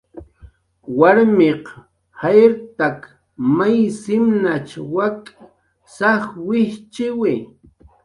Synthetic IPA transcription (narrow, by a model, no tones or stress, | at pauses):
waɾmeq | hajɾt̪ak | majsɪmnat͡ʃwakʼa | saχwɪht͡ʃɪwɪ